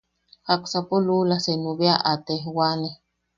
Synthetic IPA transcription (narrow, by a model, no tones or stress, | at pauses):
haksapolulasenuβeaʔat̪eɦwane